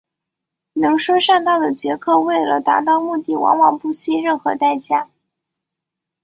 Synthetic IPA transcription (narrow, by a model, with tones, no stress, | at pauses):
nɤ˧˥ŋʂu˥ʂa˥˧nt̪ɑ˥˩ʊd̪ə˩t͡ɕjɛ˧˥kʰɤ˥˧we˥˩ɪlə̰˩t̪a̰˧˥t̪ɑ˥˧ʊmu˥˧t̪i˥˩wɑ̰˧˥ŋwɑ˨˩ŋpu˥˩t͡ɕʰi˥ɻə˥˩nxɤ̰˧˥t̪a˥˧ɪt͡ɕja˥˩